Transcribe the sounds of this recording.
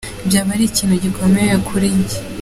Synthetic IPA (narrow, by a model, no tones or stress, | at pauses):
bjaːβaɾiciːnhuɟikʰo̞mejekʰuɾiɲɟe̥